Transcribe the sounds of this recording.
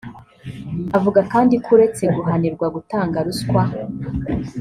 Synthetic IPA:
avuɡakaːndikʰuɾe̞t͡se̞ɡuɦaniɾɡwaɡutaːŋɡaɾuskwa

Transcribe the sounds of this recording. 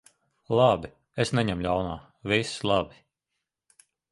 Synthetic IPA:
lˠɑbi | esnɛɲɛmlʲawnaː | vislˠabi

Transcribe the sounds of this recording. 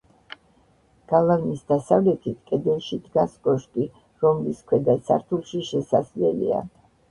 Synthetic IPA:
ɡ̥alˠavnisd̪asavlɛt̪ʰit̪ʰkʼɛd̪ɛnʃid̪ɡaskʼɔʃkʼi | ɾɔmliskʰwɛd̪asʰa̰ɾt̪ʰulˠʃiʃɛsazlɛlḭa̰

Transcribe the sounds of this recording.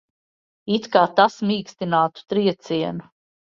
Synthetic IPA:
it̪kaːt̪asmiːkst̪inaːt̪u̥t̪ɾiɛt̪siɛnu

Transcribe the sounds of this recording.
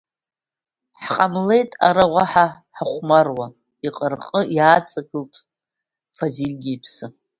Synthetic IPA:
ħqʼamle̞jtʼa̰ɾaʁʷaħa | ħaχʷmarwa | iqʼərqʼəjaːt͡sʼaɡɨltʰʼ | fazilʲɡʲipʰsɨ

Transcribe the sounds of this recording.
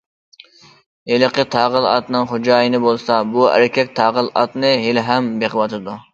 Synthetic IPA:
helɨqʰət̪ʰɑʁəlˠɑ̰t̪nɨŋχod͡ʒɑːjɪnɨbolˠsɑbuæ̰ɾɪkʲɛk̚ʲt̪ʰɑːʁəlˠɑ̰t̪nɨɦelɦɛmbeqəwɑt̪ʰɨd̪u

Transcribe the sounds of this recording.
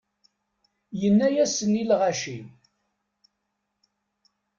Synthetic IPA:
jənːæjæsənilʁaʃim

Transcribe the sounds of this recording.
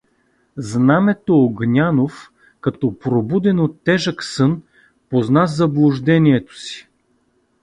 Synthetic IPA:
znamɛt̪oːɡnʲanof | kɐt̪ɔpɾobud̪ɛnot̪ːɛʒəksɤn | poznazɐblˠʊʒd̪ɛniɛt̪o̥si̥

